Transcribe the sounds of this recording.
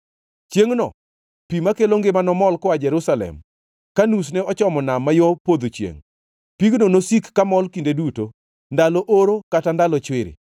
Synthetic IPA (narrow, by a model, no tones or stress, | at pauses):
t͡ʃjeŋnɔ̰ | pimakeloŋɡɪmanɔmɔlkɔad͡ʒɛɾusalɛ̰m | kanus̬neɔt͡ʃɔmɔnamːajopod̪ot͡ʃjḛŋ | piɡnonosikːamɔlkindeduto | ndalɔʔoɾokatandalɔt͡ʃwɪɾɪ̰